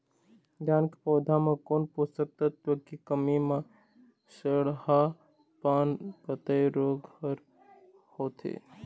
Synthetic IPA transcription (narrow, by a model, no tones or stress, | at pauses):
dankepɔːd̪ʱamẽkonpust̪ək̚t̪at̪əkikəmimẽ | səɽha | pankət̪əjɾoɡhəɾ | hoːt̪ʰḛ